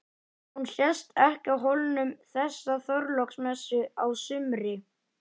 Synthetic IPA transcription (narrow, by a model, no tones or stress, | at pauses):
hunɬjɛst̪ɛhcawɦolnʏmθɛsːaθœɾlɔksmɛsːʏawsʏmɾɪ